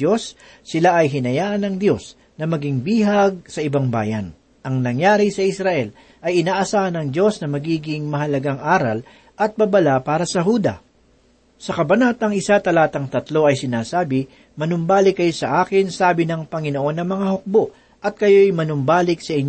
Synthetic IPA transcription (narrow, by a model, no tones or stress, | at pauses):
osː | ɪlaʔɐjɦɪnɐjaːʔɐnɐŋd̪jo̞s | nɐmɐɡɪŋbiːɦɐɡ̚sɐʔɪbaŋba̰ːjɐ̰n | ʔɐŋnɐŋjaːɾɪsɐʔɪsɾɐʔɛl | ʔɐjɪnaːʔɐsaːhɐnɐŋd̪jo̞snɐmɐɡiːɡɪŋmɐɦɐlɐɡaŋʔaːɾɐ̰l | ʔɐt̪̚bɐbɐlapaːɾɐsɐɦuːd̪ɐ̰ | sɐkɐbɐnat̪ɐŋɪsat̪ɐlaːt̪ɐŋt̪ɐt̪lo̞ɐjsɪnaːsaːbɪ | mɐnʊmbaːlɪkːɐjosɐʔaːkɪnsaːbɪnɐŋpɐŋɪno̞ʔo̞nːɐŋmɐŋahok̚bo̞ʔ | ʔɐt̪̚kɐjo̞jmɐnʊmbaːlɪk̚sɐʔɪɲ